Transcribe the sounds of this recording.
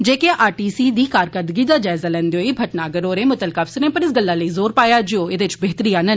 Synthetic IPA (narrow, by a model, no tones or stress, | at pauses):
d͡ʒeːkeːʔaːʈiːsiːd̪iːkaːɾkəd̪ɡiːd̪aːd͡ʒaːɪzaːlɛ̃ːnd̪eoːiːbʱəʈnaːɡəɾoːɾẽːmʊt̪əlkaːpsəɾẽːpəɾɪs̬ɡəlːaːləiːzoːɾpaːjaːd͡ʒɪoːeːd̪eːɪt͡ʃbeːt̪əɾiːaːnən